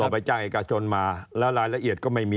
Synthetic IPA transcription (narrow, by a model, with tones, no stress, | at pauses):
ɔː˨˩pa˧jt͡ɕaː˥˩ŋʔeː˨˩ka˧t͡ɕʰo˧nmaː˧lɛː˦˥wɾaː˧jla˧ʔi˨˩ət̪̚kɔː˥˩ma˥˩jmiː˧